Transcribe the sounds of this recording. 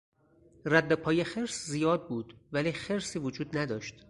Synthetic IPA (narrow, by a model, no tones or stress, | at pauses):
ræd̪ːepʰɒːjexeɾszijɒːd̪̚buːd̪̥væliːxe̞ɾsiːvod͡ʒuːd̪næd̪ɒːʃt̪